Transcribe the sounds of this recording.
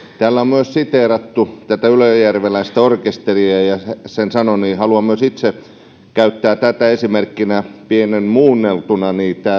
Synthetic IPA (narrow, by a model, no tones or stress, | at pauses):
t̪æːlːæommyøssit̪eːrɑt̪ːut̪æt̪æyløjjærʋelæist̪æorkest̪eriæjɑesensɑnoniːhɑluɑmyøsit̪se | kæyt̪ːæːt̪æt̪æesimerkːinæpienenmuːnːelt̪unɑniːt̪æː